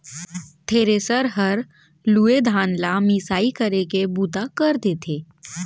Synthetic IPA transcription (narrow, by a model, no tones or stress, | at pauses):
t̪ʰeːɾeːsəɾɦəɾ | luːed̪ʱaːnlamisaːikəɾekebuːt̪akəɾd̪eːt̪ʰeː